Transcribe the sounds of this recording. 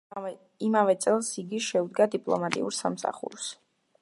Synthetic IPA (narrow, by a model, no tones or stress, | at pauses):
imavɛt̪sʼɛlˠsiɡiʃɛud̪ɡad̪ipʼlˠɔ̰mat̪ʼḭṵɾsamsa̰χṵɾs